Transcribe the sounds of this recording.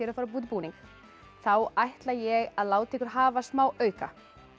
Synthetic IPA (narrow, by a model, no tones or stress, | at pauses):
ɛɾafaːɾap̬uːt̪ɪpuːnĩŋk | θawajht̪lajɛɣaðlaːwt̪ʰɛːkʏɾ̥ɦaːvasmaːwʔœːɥka̰